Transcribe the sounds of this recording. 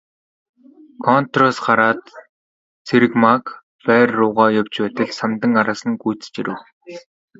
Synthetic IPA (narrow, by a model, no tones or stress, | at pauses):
kʰɔnt̪rɔsɢaɾaːt̪ | t͡sʰeɾɘ̆kmak | pæːrːʊːʁaːjʊw̥t͡ɕpæːt̪ɘ̆ɮsamt̪ə̆ŋaɾaːsə̆ŋɡujʰt͡st͡ɕiɾɘ̆w